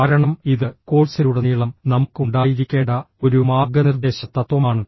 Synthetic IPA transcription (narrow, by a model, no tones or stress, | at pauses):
aːɾɐɳɐmiðɨko̞ːɭsɐɾuɽeniːɭɐmnɐmukːuɳɖaːjiɾikʲːe̞ːɳɖɐ | o̞ɾumaːɡɐnird̪e̞ːɕɐt̪ːɐt̪ːʋɐmaːɳɨ